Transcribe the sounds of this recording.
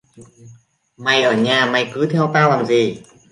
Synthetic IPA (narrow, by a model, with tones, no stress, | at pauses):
ma˨˩jʔəː˧˩ɲaː˨˩ma˨˩jkɨ˨˦t̪ʰɛ˧wt̪aː˧wlaː˨˩mzi˨˩